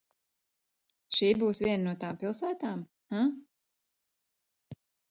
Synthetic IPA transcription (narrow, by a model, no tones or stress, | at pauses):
ʃiːbuːsʋʲiɛnanuɔt̪aːmpilˠsæːt̪aːm | ha